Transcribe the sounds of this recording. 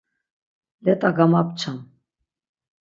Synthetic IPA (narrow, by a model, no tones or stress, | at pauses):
lɛt̪ʼaɡamap̚t͡ʃʰam